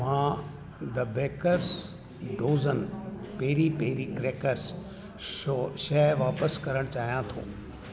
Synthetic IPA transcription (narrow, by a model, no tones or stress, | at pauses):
mãː | d̪ɐbeːkəɾs | ɖoːzən | peɦɾipeɦɾikɾeːkəɾs | oʃɐʋaːpəskɐɾəɽ̃t͡ɕaːɦijãt̪ʰo̰ː